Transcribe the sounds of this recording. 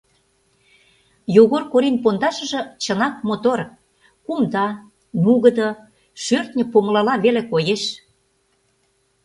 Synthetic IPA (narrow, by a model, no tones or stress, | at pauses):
joɣorkoɾinpond̪ɑʃə̆ʒɤ̆t͡ɕə̆nɑk̚mot̪or | kumd̪ɑ | nuɣə̆d̪ɤ̆ | ʃørt̪nʲə̆poməlɑlɑβelekojeʃ